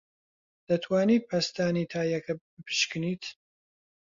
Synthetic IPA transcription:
d̪̥ɐt̪ʰwaːniːpʰɐst̪aːniːt̪ʰaːjɐkʰɐbɨpʰɨ̥ʃkɨniːt̪ʰ

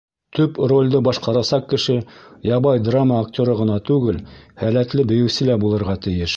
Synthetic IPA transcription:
t̪ɵpro̞lʲd̪ɤbɑʃqɑɾɑsɑq̚kɘ̆ʃɘjɑβɑjd̪raməːk̚tʲoɾɤʁɤ̆nɑt̪ʉɡɘlhælæt̪lɘbɘ̆jɘ̆wsɘ̆læbulˠɤ̆ɾʁɑt̪ɘ̆jɘʃ

